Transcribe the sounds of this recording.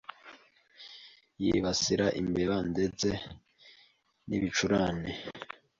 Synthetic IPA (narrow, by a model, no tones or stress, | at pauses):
jḭβasiɾaʔimbeβande̞ze | nḭβit͡ʃuɾaːne